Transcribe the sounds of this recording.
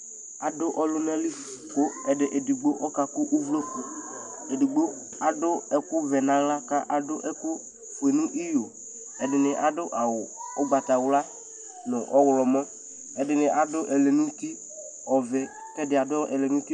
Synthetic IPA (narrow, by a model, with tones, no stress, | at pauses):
a˨dʊ˦ʔɔ˦lʊ˦nã˦li˦˨ | ko˦ɛ˨dɪ˨ʔe˨di˨ɡ͡bo˦ʔɔ˦ka˨kʊ˦ʔʊ˦vlo˦ko˨ | e˨di˨ɡ͡bo˦ | a˨dʊ˦ɛ˦kʊ˦vɛ˨nã˨ɣla˦ka˦ʔa˨dʊ˦ʔɛ˦kʊ˦ | fe˨nʊ̃˦ʔi˦jo˨ | ɛ˨dɪ˨nɪ˨ʔa˨dʊ˦ʔa˨wʊ˨ʊ˦ɡ͡ba˨t̪a˨wʊ˦la˦ | nʊ˨ʔɔ˦ɣlɔ˨mɔ̃˦ | ɛ˨dɪ˨nɪ˨ʔa˨dʊ˦ʔɛ˨le˨nʊ̃˦t̪i˦ | ɔ˨vɛ˨ | kɛ˦dɪ˨a˨dʊ˦ɛ̰˨le˨nʊ̃˦t̪i˦